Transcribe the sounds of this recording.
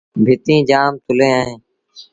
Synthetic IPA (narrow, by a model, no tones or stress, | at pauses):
bʱɪt̪ĩːd͡ʒaːmt̪ʊlẽːaːɦẽː